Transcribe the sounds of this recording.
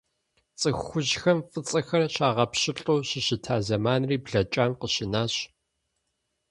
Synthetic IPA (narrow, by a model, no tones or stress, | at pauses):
t͡sʼɨxʷʊʑxɐmfɨt͡sʼɐxɐrɕaːʁɐpɕɪɬʼoːɕɪɕɪtʰaːzɐmaːnriːbɮɐt͡ʃʼaːmqəɕɪnaːɕ